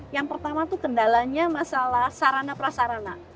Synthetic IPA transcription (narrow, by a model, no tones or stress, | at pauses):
jaŋpərt̪amat̪ukəndalaɲamasalahsaɾanapɾasaɾana